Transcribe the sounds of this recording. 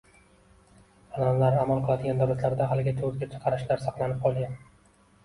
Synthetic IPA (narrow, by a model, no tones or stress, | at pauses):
ananlaɾamalˠqʰɨlˠad̪ɪɡʲand̪awlat̪ʰlaɾd̪aɦalɪɡʲat̪ʰoɾɡʲat͡ʃʰɨ̥qʰɑɾɪʃlaɾsɑqlˠanɪp̚qʰɒlˠʲan